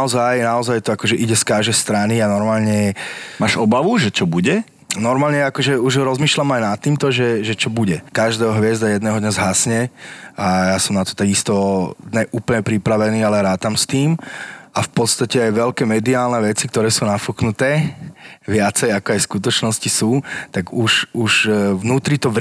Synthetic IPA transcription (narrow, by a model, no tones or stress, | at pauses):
ɔzajnaɔzajt̪ɔakɔʒɛʔiɟɛskaʒɛjst̪ɾanianɔɾmaːlɲɛmaːʒɔbaʋuʒɛt͡ʃɔbuɟɛ | nɔɾmaːlɲɛakɔʒɛuʒɾɔzmiːʃlamajnat̪ːiːmt̪ɔʒɛʒɛt͡ʃɔbuɟɛkaʒd̪ɛːɦɔɦʋɪɛzd̪ajɛd̪nɛːɦɔd̪ɲɛzɦasɲɛajasɔmnat̪ɔ̥t̪aɡist̪ɔd̪ɲɛʔuːpl̩ɲɛpɾipɾaʋɛniːalɛɾaːt̪amst̪iːmafpɔt̪st̪acɛajʋɛlkɛːmɛd̪iaːlnɛʋɛt͡sikt̪ɔɾɛːsuːnafuknut̪ɛː | ʋɪat͡sɛjakɔajskut̪̬ɔt͡ʃnɔscisuːt̪aɡuʃuʒʋnuːt̪ɾit̪ɔʋ